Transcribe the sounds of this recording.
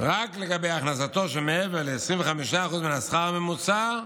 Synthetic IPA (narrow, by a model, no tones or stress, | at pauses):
ʁakleɡabejaχnas̬at̪oʃ̬emeeveʁlːsʁiɱveχamiʃaːχuzminasχaʁamemut͡sa